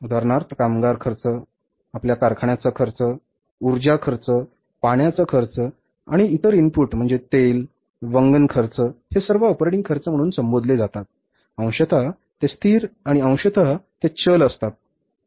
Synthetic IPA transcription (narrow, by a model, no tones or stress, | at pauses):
ud̪ʱaɾɳaɾt̪kamɡaɾkʰəɾt͡sə | apljakaɾkʰaɳjat͡səkʰəɾt͡sə | uɾd͡ʑakʰəɾt͡sə | paɳjat͡səkʰəɾt͡sə | a̰ɽ̃iːt̪əɾimpuʈm̤əɳd͡zet̪el | ʋəŋɡənkʰəɾt͡səhesəɾʋaɔpɾeʈiŋɡ̚kʰəɾt͡səm̤əɽ̃uːnsəmbod̪led͡zat̪at̪̚ | ə̃w̃ɕət̪ʰa | t̪est̪ʰiːɾaɽ̃iə̃w̃ɕət̪ʰat̪et͡ɕələst̪at̪̚